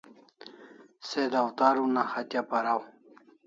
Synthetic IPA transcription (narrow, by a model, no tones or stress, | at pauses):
sed̪awt̪aɾunaxat̪japaɾaw